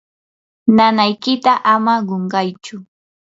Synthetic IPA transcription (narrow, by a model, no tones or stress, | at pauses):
nanajkɪt̪aʔamaɢoɴɢɑjt͡ʃʊ